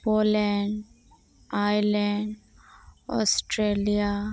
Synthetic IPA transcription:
polɛɳɖ | ajlɛɳɖ | ɔ̰sʈɾelija

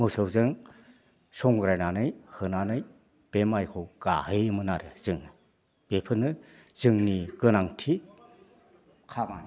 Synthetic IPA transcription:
mosɯwzɯŋ | sɔŋɡɾajnanɯjhɯnanɯj | b̥emajkʰɯwɡ̥a̰hɯjɯmɯnaɾɯz̥ɯŋɯ | b̥epʰɯnɯ | z̥ɯŋniɡ̥ɯnaŋtʰi | kʰama

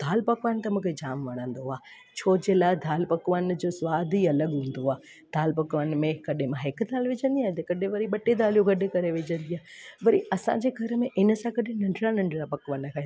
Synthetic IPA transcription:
d̪̥ʱaːlpɐkʋaːnɪt̪ɐmũːkʰed͡ʑaːmʋɐɽ̃ə̃nd̪oaː | t͡ɕʰoːd͡ʑeːlaːd̪ʱaːlpɐkʋən̆d͡ʑoːsʋaːd̪ʱiɐləɠɦũːn̆d̪oaː | d̪̥ʱaːlpɐkʋənɪ̆mẽkɐɗẽmãɦɪkd̪ʱaːlʋɪd͡ʑə̃nd̪iaːt̪ekɐɗẽʋɐɾiɓɐʈed̪ʱaːlijoɡɐɗẽkɐɾeʋɪd͡ʑə̃nd̪iaːʋɐɾiʔɐsã̰ɲd͡ʑeɡʱɐɾəmẽʔɪnəsãkɐɗẽnɐ̃ɳɖɾanɐ̃ɳɖʱɽapɐkʋaːnkʰa

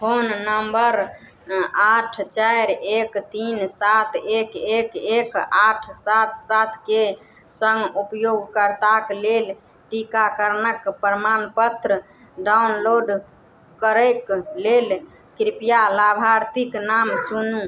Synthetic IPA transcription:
ponnəmbəɾ | aʈʰt͡ʃajɾekt̪insat̪ʰekekekaʈʰsat̪̚ʰsat̪ʰke | səŋɡupjoɡkəɾt̪aklel | ʈikakəɾnəkpɾəmanpət̪ɾə | ɖaunloɖ | kəɾəjklel | kɾipijalabʱaɾt̪iknamt͡ʃunu

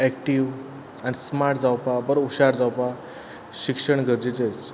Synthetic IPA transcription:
ɛk̚ʈiʋ | anismaɾʈd͡zawpabəɾuɕaɾd͡zawpa | ɕikʂəɳ̃ɡəɾd͡ʑit͡set͡s

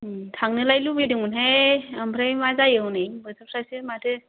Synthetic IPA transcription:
tʰaŋnɯlajlubediŋunɦajambʰɾajmazajɯwnɯjbɯtʰɯpʰsasɯmatʰɯ

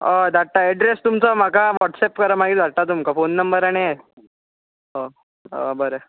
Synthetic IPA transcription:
əd̪ʱaʈːaɛɖɾest̪umt͡sɔm̤akaʋɔʈsɛpkəɾəmaɡit̪aʈat̪̬umkafonːəmbəɾaɽ̃ia | ɦo | ə̰bəɾə

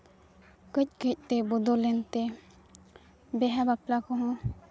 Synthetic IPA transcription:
kəc̚kəc̚ˀt̪ɛbɔd̪ɔlɛnt̪ɛ | bɛɦabaplakɔɦɔ̃

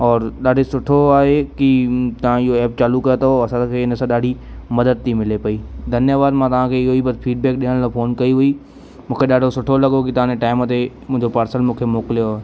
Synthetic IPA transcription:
ɔːɾɗaːɖʱosʊʈʰoaːɦekit̪ɐʋ̤ãɪɦoɛːp̚t͡ɕaːlukɐjot̪ɐɦoɐsãkʰeɪnə̆sãɗaːɖʱimɐd̪əd̪̚t̪ʰimɪlepɐiːd̪ʱɐnjaʋaːd̪mãt̪ɐʋ̤ãkʰeɪɦoibɐt̪fiːɖ̚bɛːk̚ɗɪɦəɽ̃laːfʰoːnkɐiɦʊi | mũːkʰeɗaːɖʱosʊʈʰolɐɠokit̪ɐʋãd͡ʑeʈaːɪmt̪emʊ̃ɦɪ̃ɲd͡ʑopaːɾsəlmũːkʰemoːkɪlijoae

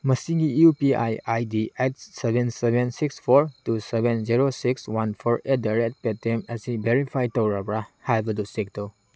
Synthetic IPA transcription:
mɐsiɡiupia̰jajdiet̚ssebensebʱensikspʰoɾtusebenziɾosikswanpʰɔɾedajɾet̚petemɐsibeɾipʰajtowɾabɾahajbɐdusek̚tow

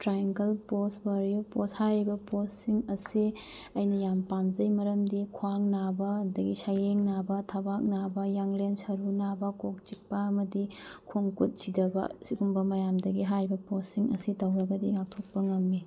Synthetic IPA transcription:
tɾajɐŋkɐlposbaɾioposhajɾibɐposːiŋɐsi | ɐjnɐjampamzɐjmɐɾɐmdikʰwaŋnabɐdɐɡisajeŋnabɐtʰabak̚nabɐjaŋlensɐɾunabɐkok̚t͡ʃik̚pɐɐmɐdikʰoŋkut̚sidɐbɐ̰siɡumbɐmɐjamdɐɡiɦajɾibɐposːiŋɐ̰sitɐwɾɐɡɐdiŋak̚tʰok̚pɐŋɐmːi

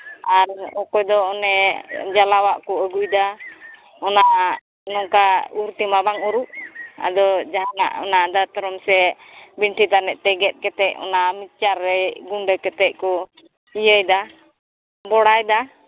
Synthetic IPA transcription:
aɾɔkɔjd̪ɔɔnɛd͡ʒalawaʔkɔəɡujd̪a | ɔna | nɔŋkauɾt̪imabaŋuɾuʔa̰d̪ɔd͡ʒaɦŋa̰ʔɔ̰nad̪at̪ɔɾɔmsɛ | biɳʈit̪anɛʔ̚ˀt̪ɛɡɛt̪̚kɛt̪ɛʔɔ̰namit̚t͡ʃaɾːɛɡuɳɖəkɛt̪ɛc̚kɔ | ijəjd̪a | bɔɽajd̪a

